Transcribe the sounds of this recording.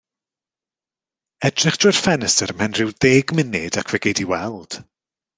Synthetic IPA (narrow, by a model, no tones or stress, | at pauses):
ɛdrɪχd̥ʊjr̥fɛnəsəɾəmhɛnrɨwðeːɡmɪnɪdakʰvɛɡejdiwɛlˠd̥